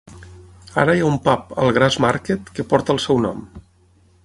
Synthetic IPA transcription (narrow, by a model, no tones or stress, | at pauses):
a̰ɾəjaumpapə̰lˠɣɾazmaɾket̪kəpɔɾt̪əːlˠsɛwnɔ̰m